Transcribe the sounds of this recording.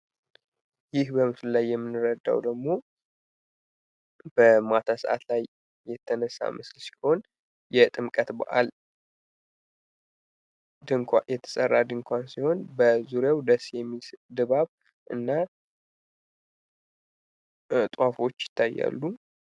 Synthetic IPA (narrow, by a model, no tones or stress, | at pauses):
jɪhbəmɨsllajːɛmːɨnːɨɾəd̪ːa̰wd̪əɡmo̞ | b̥əmat̪ʰasəʔa̰t̪lajː | ɛt̪ʰːənəsːa̰mɨslsi̥ho̞n | jɛt̪ʼɨmkʼət̪bə̰ʔa̰l | d̪ɨŋkʰʷajɛt̪ʰə̥sʼərːad̪ɨŋkʷansiho̞nbəzuɾjawd̪əsjɛmːisd̪ɨβaβ | ʔɨ̰nːa | t̪ʼwafo̞t͡ʃːjɪ̥t̪ʰːajːa̰lːu